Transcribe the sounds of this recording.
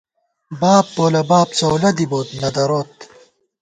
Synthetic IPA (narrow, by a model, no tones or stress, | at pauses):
baːpːoːlɐbaːp̚t͡sowlɐd̪iboːt̪nɐd̪ɐɾoːt̪̚